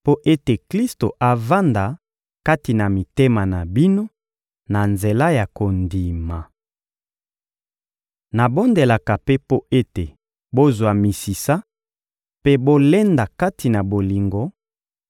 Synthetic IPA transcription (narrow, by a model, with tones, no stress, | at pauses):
po˦ʔe˦te˨kli˦sto˨ʔa˨va˦nda˨ | ka˦ti˨na˨mi˨te˦ma˨na˨bi˦no˦ | na˨nze˨la˦ja˨ko˨ndi˨ma˨ | na˨bo˦nde˨la˨ka˨pe˦po˦e˦te˨ | bo˦zwa˨mi˨si˨sa˦ | pe˦bo˦le˦nda˨ka˦tʰi˨na˨bo˨li˨ŋɡo˨˦